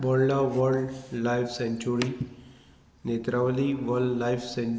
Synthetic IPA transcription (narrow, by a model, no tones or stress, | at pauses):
bɔllaʋəɾɖlajfsẽɲt͡ɕuɾi | net̪ɾaʋliʋəɾlɖlajfsẽ